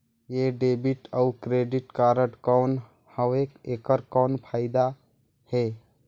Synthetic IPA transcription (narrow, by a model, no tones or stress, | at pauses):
jeɖebiʈəukɾeɖiʈkaɾəʈkɔn | həekekəɾkɔnpʰaɪd̪a | he